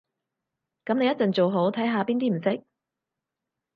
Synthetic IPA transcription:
kɐ˨˥mne˨˧jɐ˥t̚t͡sɐ˨nt͡so˨wɦo˨˥wt̪ʰɐ˨˥jɦaː˨˧piː˥nt̪iː˥m̩˨˩sɪ˥k̚

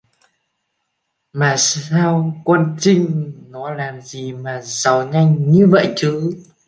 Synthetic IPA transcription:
maː˨˩saː˧wkwə˧nt͡ɕï˧ŋ̟nɔ˨˦laː˨˩mzi˨˩maː˨˩zə˨˩wŋa˧jŋɲɨ˧və̰˧˨jt͡ɕɨ˨˦

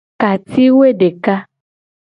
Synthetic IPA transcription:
ka˨t̪i˦wo˦e˦ɖe˨ka˦

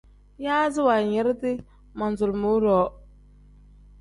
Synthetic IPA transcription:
jaː˦zɪ˦wa˨ɲɛ˨˦ɾtɪ˦ | ma˨n˨zʊ˨lmʊ˨˦ɾɔː˨˦

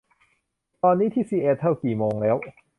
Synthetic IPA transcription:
t̪ɔː˧nːiː˦˥t̪ʰiː˥˩siː˧˩ʔeː˧˩t̪ʰːa˥˩wkiː˨˩moː˧ŋlɛː˦˥w

